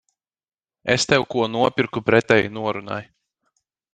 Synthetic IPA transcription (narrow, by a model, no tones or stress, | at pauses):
ḛst̪ɛwkuɔnuɔpʲiɾkupɾɛt̪ɛjnuɔɾuna̰j